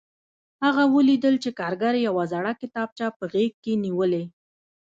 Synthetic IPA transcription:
haɣawəlid̪əlt͡ʃekɑɾɡaɾejawazaɽakɪt̪ɑb̚t͡ʃɑpəɣeɡ̚keniwəle

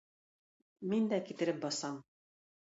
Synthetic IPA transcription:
mind̪ækit̪ɘ̆ɾɘp̚bɑsɑm

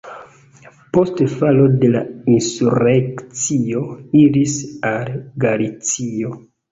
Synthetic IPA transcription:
po̞stfalo̞de̞lainsuɾekt͡sio̞iɾisalɡalit͡sio̞

